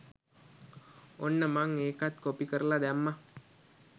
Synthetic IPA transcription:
onːəmaŋeːkat̪kopikəɾəlad̪æmːa

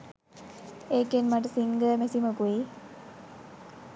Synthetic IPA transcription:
eːkːenmɐʈsiŋɡəmesiməkui

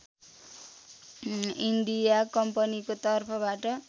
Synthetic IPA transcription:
ind̪ijakʌmpʌnikot̪ʌrpʰʌbaʈʌ

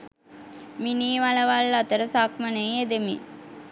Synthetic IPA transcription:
miniːʋalɐʋalːɐt̪əɾəsakmɐnejed̪emḭ

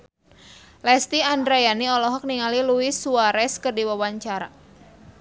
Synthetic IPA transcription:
lɛst̪iandɾajaniɔlɔɦɔk̚niŋaliluisuaɾɛskərdiwawaɲt͡ʃaɾa

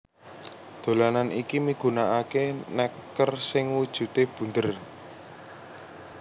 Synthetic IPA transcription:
d̪̥o̤lananikimiɡ̥ṳnaʔakenɛkːərsɪŋwud̥ʒ̥ṳt̪eb̥ṳnd̪ər

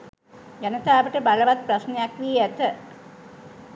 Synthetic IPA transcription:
jɛnɐt̪aːʋəʈəbaɭɐʋat̪̚pɾɐsnejakʋiːɛt̪ə

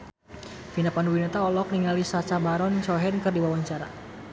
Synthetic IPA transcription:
finapanuwinat̪aɔlɔk̚niŋalisat͡ʃabaɾɔnt͡ʃɔɦɛnkɨrdiwawaɲt͡ʃaɾa

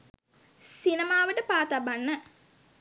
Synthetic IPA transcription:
sinəmaːʋəʈəpaːt̪abanːə

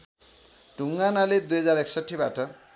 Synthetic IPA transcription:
ɖʱuŋɡanaled̪ujɦʌd͡zaɾeksʌʈʰːibaʈʌ

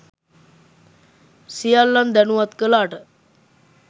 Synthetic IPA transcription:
sijalːand̪ɛnuʋat̪kəlaːʈə

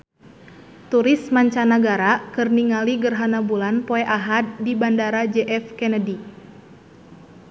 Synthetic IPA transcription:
t̪uɾismaɲt͡ʃanaɡaɾakɨrniŋaliɡərɦanabulanpoɛʔaɦad̪̚ːibandaɾad͡ʒɛʔɛfkɛnədi

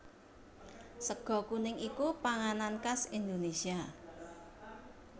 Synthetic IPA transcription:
səɡ̥ɔ̤kunɪŋikupaŋanankasind̪onesia

